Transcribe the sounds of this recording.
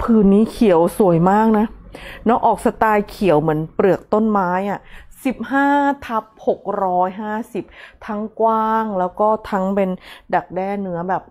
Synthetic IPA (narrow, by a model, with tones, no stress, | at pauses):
pʰɯː˨˩nːiː˦˥kʰi˨˩˦ə˦wsu˨˩əjmaː˥˩k̚na˦˥nɔ˦˥ʔɔː˨˩k̚sa˧t̪aː˧jkʰi˩˦ə˦wmɯ˩˦ənpɾɯ˨˩ək̚t̪o˥˩nmaː˦˥jʔa˨˩si˨˩p̚ɦaː˥˩t̪ʰa˦˥p̚ho˨˩k̚ɾɔː˦˥jɦaː˥˩si˨˩p̚t̪ʰa˦˥ŋkwaː˥˩ŋlɛː˦˥wkɔː˥˩t̪ʰa˦˥ŋpe˧nda˨˩k̚dɛː˧˥˩nɯ˦˥ɐbɛː˨˩p̚